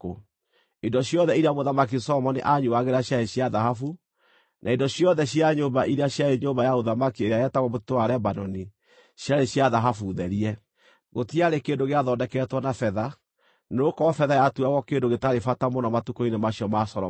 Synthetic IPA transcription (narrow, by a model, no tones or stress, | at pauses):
o | indɔɕjɔðɛiɾeamoðamakisɔmɔnḛʔaɲuaɣeɾaɕjaeɕjaðaɦafu | nʔaindɔɕiɔðɛɕjaɲoːmbaʔiɾeaɕjaeɲoːmbajaoðamakieɾeaɛtaɣɔmotitowaɾɛbanɔni | ɕjaɾeɕjaðaɦafuðɛɾiɛ | ɣotiaɾekeːndoɣeaðɔːndɛkɛtwɔnafɛða | nokɔfɛðajatuaɣɔkeːndoɣetaɾefatamonɔmatukoinemaɕiɔmasɔɾɔ